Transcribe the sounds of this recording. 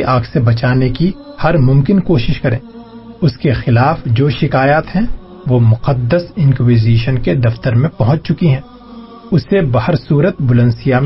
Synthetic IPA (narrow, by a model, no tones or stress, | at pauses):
ʔaːɡsebɐt͡ʃaːnekihɐɾmʊ̃mkɪnkoːʃɪʃkɐɾḛ̃ː | ʊskexɪlaːfd͡ʒoːʃɪkaːjaːt̪ɦɛ̃ | ʋomʊqəd̪ːəsɪ̃nkwiːziːʃənked̪ɐft̪əɾmẽpɐɦʊ̃t͡ʃt͡ʃʊkiɦɛ̃ː | ʊsebɐhəɾsuːɾət̪̚bʊlə̃nsijam